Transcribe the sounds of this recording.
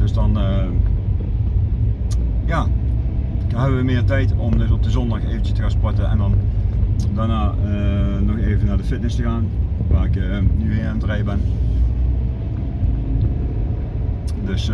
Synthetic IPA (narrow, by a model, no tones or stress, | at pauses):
d̥ɵsdɑnə | jaː | ɦɛbəʋəmɪːɹtɛjtɔmdɪtɔp̚dəzɔndɑxeːvəntt͡ʃəstəɣaːnspɔtəɛ̰ndɑn | daːnaːənɔxeːvənaːɹdəfɪtnɪstəɣaːnʋaːrɪknyɪantrɛjbɛn | dɵs